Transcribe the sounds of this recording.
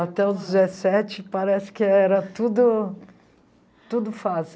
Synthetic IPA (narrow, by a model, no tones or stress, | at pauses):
at̪ɛʊzd͡ʒɪzesɛt͡ʃɪpaɾɛsɪ̥kɪɛɾɐt̪ud̪ʊ | t̪ud̪ʊfas